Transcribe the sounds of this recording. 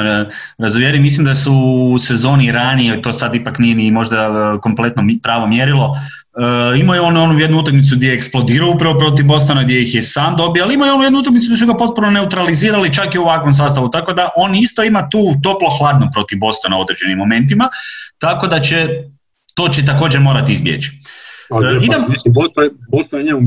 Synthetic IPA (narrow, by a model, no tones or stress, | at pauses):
ɾazumjeɾimislimd̪asuːse̞zo̞ːniɾaniet̪o̞sad̪ipaknijenimo̞ʒd̪ako̞mple̞t̪nopɾaːʋo̞mjeɾilˠo̞ | imojeo̞nuo̞nujed̪nuut̪akmit̪suɡd̪ʲjeeksplˠo̞d̪iːɾaoupɾaʋopɾo̞t̪̬ibo̞st̪onaɡd̪jejixjesaːmd̪o̞bioaliimojeo̞nujed̪nuut̪akmit̪suɡ̪esuɡapo̞t̪̚punone̞ut̪ɾaliziːɾalit͡ʃakiuʋakʋo̞ms̬aːst̪aʋut̪ako̞d̪aʔo̞ːnist̪o̞imat̪uːt̪o̞plo̞xlˠaːd̪nopɾo̞t̪ivbo̞st̪onao̞d̪ɾed͡ʒe̞nimːo̞me̞nt̪̬imat̪ako̞d̪at͡ʃe | t̪o̞ːt͡ʃet̪̬ako̞ːd͡ʒeɾmo̞ːɾat̪iizbjḛt͡ʃi̥ | id̪aiosbost̪ojɲemu